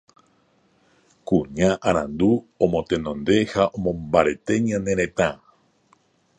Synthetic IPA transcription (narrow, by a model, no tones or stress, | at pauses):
kuɲaʔaɾãnd̪u | õmõt̪e̞nõ̞nd̪e̞haʔõmõ̞mbaɾe̞t̪e̞ɲãnẽɾẽt̪ã